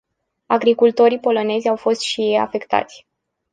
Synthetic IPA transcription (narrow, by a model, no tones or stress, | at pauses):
aɡɾikult̪o̞ɾipo̞lo̞ne̞zʲawfo̞st̪ʃija̰fe̞kt̪a̰t̪sʲ